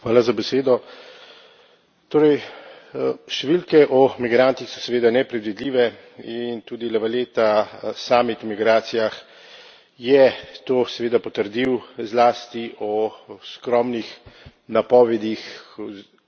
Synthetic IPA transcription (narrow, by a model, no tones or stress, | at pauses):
xʋaːlazabɛseːd̪ɔ | t̪oːɾɛj | ʃt̪ɛʋilkɛʔɔmiɡɾaːnt̪ixsɔ̥sɛʋeːd̪anɛpɾɛd̪ʋid̪liːʋɛ | int̪uːd̪ilɛʋaleːt̪asaːmit̪ɔmiɡɾaːt̪sijax | jɛt̪oːsɛʋeːd̪apɔt̪əɾd̪iwzlaːst̪iʔɔskɾɔːmnixnapɔːʋɛd̪ix